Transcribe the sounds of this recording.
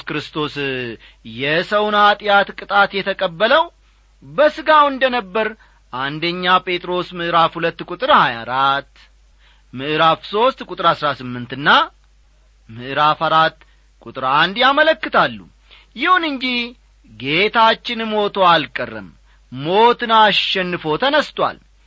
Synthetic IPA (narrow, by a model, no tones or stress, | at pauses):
kɾɨst̪ʰo̞s | jɛsəwnhat̪ʼjat̪kʼɨt̪ʼat̪jɛt̪ʰəkʼəbːələw | bəsɨɡawɨnd̪ənəbːəɾ | ʔand̪əɲːapʼe̞t̪ʼɾo̞smɨʔɨɾafhulət̪ːkʼut̪ʼɨɾhajaɾat̪ː | mɨʔɨɾafso̞st̪kʼut̪ʼɨɾhasɾasɨmːɨnt̪ɨnːa | mɨʔɾafaɾat̪ː | kʼut̪ʼɨɾand̪jamələkːɨt̪ʰalːṵ | jɪhunɨɲd͡ʒih | ɡe̞t̪ʰat͡ʃːɪnmo̞t̪ʰoalkʼərːɨ̰m | mo̞t̪ɨnaʃɛnːɨfo̞t̪ʰənəst̪ʼwa̰l